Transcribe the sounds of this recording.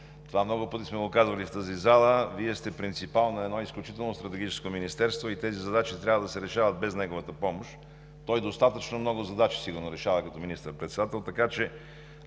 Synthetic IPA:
t̪ovamnɔɡʊpɤt̪ismɛɡokazvɐlift̪əzizalˠəviɛst̪ɛpɾint̪sipalˠnɐɛd̪nɔisklʲut͡ʃit̪ɛlˠnost̪ɾɐt̪ɛɡʲit͡ʃɛ̥skominist̪ɛɾst̪voit̪ɛzizɐd̪at͡ʃit̪ɾʲavəd̪ɐsɛɾɛʃavət̪̚bɛznɛɡovət̪əpɔmoʃt̪ | t̪ɔjd̪ost̪at̪ət͡ʃnomnɔɡʊzɐd̪at͡ʃi̥siɡʊɾnoɾɛʃavəkɐt̪ɔminist̪əɾpɾɛt̪sɛd̪at̪ɛlˠt̪ɐkat͡ʃɛ

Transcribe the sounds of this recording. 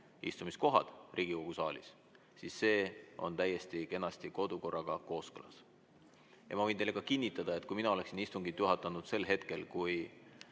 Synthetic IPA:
ist̪umisko̞ɦɑ̰d̪̥rʔiːɡ̥iko̞ɡ̥usɑːlḭs | sisːe̞ːo̞̰nt̪æje̞st̪ike̞nːɑst̪iko̞d̪̥uko̞rːɑɡ̥ɑko̞ːskɤlɑ̰s | jɑ̰mɑvɤ̞jnt̪elekɑkinʲːit̪ːˑɑd̪̥ɑet̪̚kujminɑo̞le̞ksinist̪uŋɡid̪̥juɦɑt̪ːˑɑnud̪̥se̞lɦe̞t̪ke̞lkuj

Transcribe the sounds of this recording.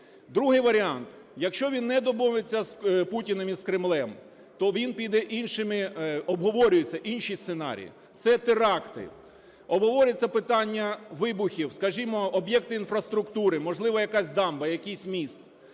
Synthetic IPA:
d̪ɾuɦɪjʋɐɾʲɪɑnt̪ | jɐkʃt͡ʃɔʋʲinːɛd̪ɔbuʋet͡sʲːɐsputʲinɐmiskɾɪmlˠɛm | t̪ɔʋʲinpʲid̪ɛʔinʃɪmɪɔbɦɔʋɔɾʲʊjet͡sʲːɐʔinʃist̪senɑ̰ɾʲḭjḭ | t̪sɛt̪ɪɾɑkt̪ɪ̰ | ɔbɦɔʋɔɾʲɪt͡sʲːɐpɪt̪ɑnʲːɐʋɪbʊxʲiwskɐʒimɔɔbjɛk̚t̪ɪinfrɐst̪ɾʊkt̪uɾɪmɔʒlˠɪʋɐjɐkasʲd̪ɑmbɐjɐkʲisʲmʲist̪

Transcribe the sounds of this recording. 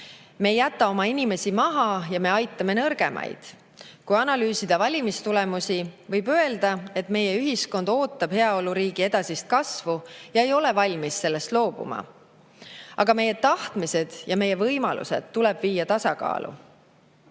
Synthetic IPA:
me̞ːjæt̪ːˑɑo̞mɑinime̞simɑɦɑjɑme̞ɑjt̪ːˑɑme̞nɤrɡ̥e̞̰mʔɑ̰jd̪̥ | kujɑnɑlyːsid̪̥ɑvɑlʲimist̪ulemusivɤjbø̞e̞ld̪̥ɑe̞t̪ˑme̞jeyɦisko̞nd̪̥o̞ːt̪ːˑɑb̥he̞ɑo̞luɾiːɡ̥ie̞d̪̥ɑsist̪̚kɑsvujɑe̞jo̞le̞vɑlʲmisːe̞lːe̞st̪lo̞ːb̥ṵmɑ̰ | ɑɡ̥ɑme̞jːe̞t̪ɑht̪mise̞d̪̥jɑme̞jːe̞vɤjmɑlṵsḛd̪̥t̪ːulɛ̞b̥viːjːɑt̪ɑsɑkɑ̰ːlʔṵ

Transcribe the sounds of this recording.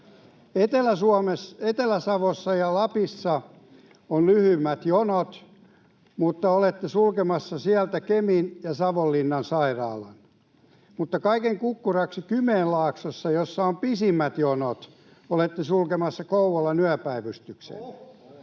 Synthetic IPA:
et̪elæsuɑmeset̪elæsɑʋosːɑjɑlɑpisːɑ | onlyhymːæt̪jonot̪ | mut̪ːɑolet̪ːesulkemɑsːɑsiælt̪ækeminjɑsɑʋolːinːɑnsɑirɑ̰ːlɑ̰n | mut̪ːɑkɑikeŋkukːurɑksikymeːllɑːksosːɑjosːɑompisimːæt̪jonot̪ | olet̪ːesulkemɑsːɑkouʋolːɑnyæpæiʋyst̪yksḛlːæ

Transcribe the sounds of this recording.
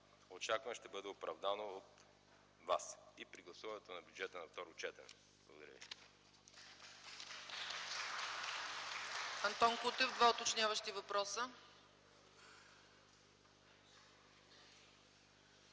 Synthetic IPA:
ot͡ʃakvɐmʃt̪ɛbɤd̪ɛopɾɐvd̪anoːt̪ | vasipɾiɡlˠɐsuvɐnɛt̪onɐbʲjud͡ʒɛt̪ənɐft̪ɔɾot͡ʃɛt̪ɛ̰n | blˠɐ̰ɡod̪ɐɾə̰vḭ | ɐnt̪ɔnkut̪ɛvd̪vaot̪ot͡ʃnʲjavəʃt̪ivɐpɾɔsə

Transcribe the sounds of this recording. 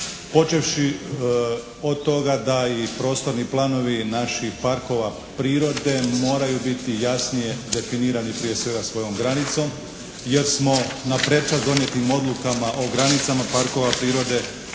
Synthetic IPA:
po̞t͡ʃe̞fʃi | o̞d̪̚t̪o̞ɡad̪aipɾo̞ːst̪o̞ɾniplˠano̞ʋinaʃixpaɾko̞ʋa | pɾiːɾo̞d̪e̞mo̞ːɾajubit̪ijasnije̞d̪e̞finiːɾanipɾije̞sʋe̞ɡasʋo̞jo̞mɡɾanit̪so̞m | je̞ɾsmo̞napɾe̞t͡ʃazd̪o̞nje̞t̪nimo̞d̪lˠukamaʔoɡɾanit̪samapaɾko̞ʋapɾiːɾo̞d̪e̞

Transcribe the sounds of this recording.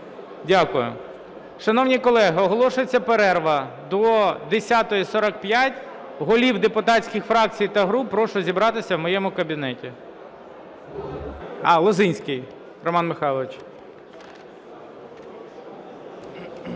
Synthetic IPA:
dʲakʊjʊ̰ | ʃɐnɔwnʲikɔlˠɛɦɪɔɦɔlˠɔʃʊjet͡sʲːɐpeɾɛrʋɐd̪ɔd̪esʲat̪ɔjisɔɾɐk̚pjatʲ | ɦɔlʲiwd̪epʊt̪ɑtʲsʲkʲɪxfɾɑk̚t͡sʲijt̪ɐɦɾupːɾɔʃʊzʲibɾɑt̪ɪsʲɐwmɔjemʊkɐbʲinɛtʲi | ɑlˠɔzɪnʲsʲkɪj | rɔmɑnmɪxɑjlˠɐʋɪt͡ʃ

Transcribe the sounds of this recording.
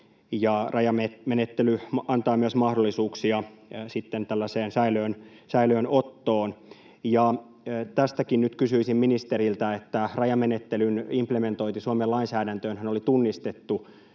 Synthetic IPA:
jɑrʔɑjɑmemenet̪ːelyɑnt̪ɑːmyøsmɑhdolːisuːksiɑsit̪ːent̪ælːæseːnsæiløːnsæiløːnot̪ːoːn | jɑ | t̪æst̪ækinnyt̪kysyisimminist̪e̞ɾilt̪æet̪ːærɑjɑmenet̪ːelynimpleme̞nt̪o̞int̪isuomelɑinsæːdænt̪øːnɦænolit̪unːist̪et̪ːu

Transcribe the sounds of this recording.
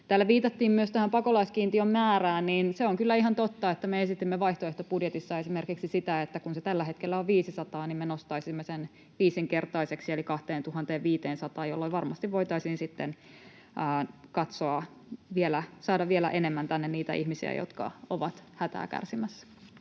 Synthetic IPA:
t̪æːlːæʋiːt̪ɑt̪ːiːmmyøst̪æhæmpɑkolɑiskiːnt̪iommæːɾæːnniːnseoŋkylːæiɦɑnt̪ot̪ːɑet̪ːæmeesit̪imːeʋɑiht̪oeht̪opudjet̪isːɑesimerkiksisit̪æet̪ːækunset̪ælːæhe̞t̪kelːæoʋʋiːsisɑt̪ɑːnimmenost̪ɑisimːesen | ʋiːsiŋke̞rt̪ɑiseksielikɑht̪eːnt̪uhɑnt̪eːʋʋiːt̪eːnsɑt̪ɑːjolːoiʋɑrmɑst̪iʋʋo̞jt̪ɑisinsit̪ːen | ʔːkɑt̪soɑ | ʋielæsɑːdɑʋʋielæ̰ʔenemːænt̪ænːenniːt̪æ̰ihmisḭæ̰jo̰t̪kɑ̰oʋɑt̪hæt̪æ̰ːkæ̰rsimæsːæ̥

